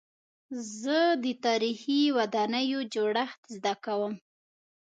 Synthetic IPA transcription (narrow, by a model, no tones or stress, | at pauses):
zəd̪ət̪ɑɾixiwad̪ɑnəjod͡ʒoɽaxt̪zd̪akawəm